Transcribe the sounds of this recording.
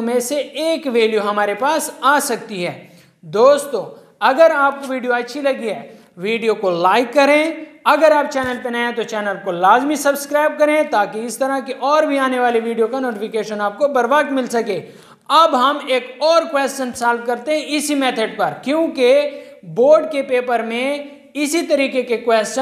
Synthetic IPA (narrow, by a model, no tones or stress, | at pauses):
mẽseeːkʋeːljoɦɐmaːɾepaːsaːsɐkt̪iɦɛː | d̪oːst̪õː | ɐɡəɾaːp̚koʋiːɖijoɐtːʃʰilɐɡiɦɛː | ʋiːɖijokolaːɪkːɐɾẽɐɡəɾaːp̚t͡ʃɛːnəlpenaːẽt̪ot͡ʃɛːnəlkolaːzmisɐbskɾaːɪb̚kɐɾẽt̪aːkiɪst̪ɐɾakeʔɔːɾbʱiaːneʋaːliʋiːɖijokanoːʈɪfʰɪkeːʃənaːp̚kobɐɾbaːkmɪlsɐkẽː | ɐbɦɐmeːkɔːɾkwɛːst͡ʃənsaːlf̚kɐɾt̪eɦɛ̃ɪsimɛːt̪ʰəɖ̚pɐɾkjõːke | boːɾɖkepeːpəɾmẽ | ɪsit̪ɐɾiːkekekwɛːst͡ʃə